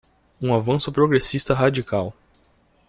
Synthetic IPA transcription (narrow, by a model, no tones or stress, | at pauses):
ũavɐ̃sʊpɾoɡɾesist̪ɐɦad͡ʒikaw